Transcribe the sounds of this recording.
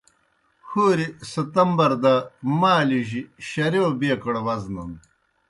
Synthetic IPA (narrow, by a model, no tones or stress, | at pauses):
xuːɾisɐt̪ɐmbɐɾd̪ɐmaːliʑiɕɐɾeobeːkɐɽwɐznɐ̰n